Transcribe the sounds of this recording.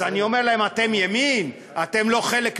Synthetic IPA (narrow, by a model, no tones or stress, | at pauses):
anio̞meʁlae̞mat̪e̞mjemim | at̪e̞mlo̞χe̞lek